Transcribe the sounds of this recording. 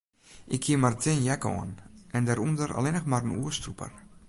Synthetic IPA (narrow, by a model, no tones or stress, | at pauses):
ʔɪkʰːiəmartʰɪnjɛkɔ̰ənʔɛndɛɾundəɾa̰lɪnəxmarənuəstrupə̰r